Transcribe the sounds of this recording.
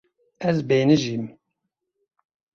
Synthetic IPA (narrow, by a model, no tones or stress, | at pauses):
ɛzbeːnɨʒim